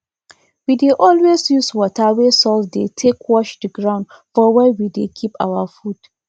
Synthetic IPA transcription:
wideʔɔlwesjuswɔtʰawesɔsdetʰekʰwɔʃdəɡɹãʊ̃nd | fɔwɛwidekʰipʰa̰wafud̥

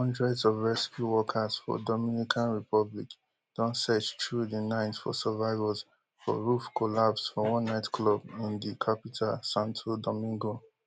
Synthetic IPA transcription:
hɔ̃ndɹɛdzɔvɹɛskjuwɔkʰasfɔ̰dɔmĩnikʰãnɹipɔblḭk | d̥ɔ̃nsɛt͡ʃtʰɹudinãɪ̃ntfɔ̰sɛvaɪvaz | fɔ̰ɹufkʰolapsfɔwɔ̃nːaɪtklɔbĩndikʰapitʰalsãntʰodɔmĩŋɡo

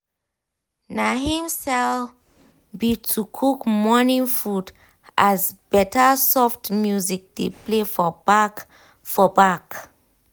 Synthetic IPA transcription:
naɦĩmsɛl | bitʰukʰukmɔnĩnfud | ʔazbɛtasɔftmjuzik̚d̥eplefɔ | fɔbak

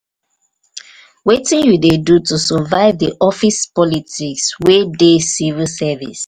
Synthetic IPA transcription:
wetĩnwidedutusɔvaɪvdiʔɔfispɔlitikswedesivilsɛvḭs

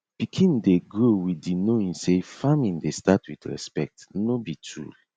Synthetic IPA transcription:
b̥ikʰĩndeɡɹowidinoĩnsefamĩndestatwitɹɛ̰spɛk̚tnobitʰɹṵ

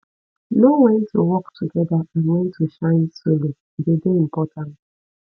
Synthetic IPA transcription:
noŋɛ̃ntʰuwɔktʰuɡɛdaanwɛ̃ntʰuʃãɪ̃nsolo | dedem̩pɔtʰant

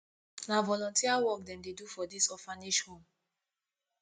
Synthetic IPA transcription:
navɔlɔ̃ntiawɔkdɛ̃mdedufɔdisɔfaniʃhõm

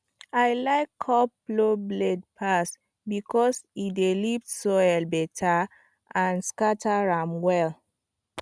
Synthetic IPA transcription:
aɪlaɪkʰːɔplobled̚pʰas | bikʰɔsidelipsoɛlbɛtʰa | ãnskatʰaɹãmwɛl

